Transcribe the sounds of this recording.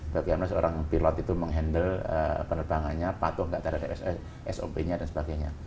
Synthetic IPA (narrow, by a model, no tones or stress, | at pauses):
bakiamnasəo̰ɾaŋpilɔt̪it̪uməŋɦɛndələ̰pənərbaŋanɲapat̪ʊhŋɡaʔt̪əɾɦadapɛs | ʔɛso̰beɲadansəbaɡajɲa̰